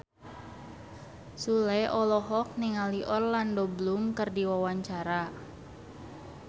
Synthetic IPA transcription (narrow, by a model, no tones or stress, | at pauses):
sulɛʔɔlɔɦɔk̚niŋaliʔɔrlandoblumkərdiwawaɲt͡ʃaɾa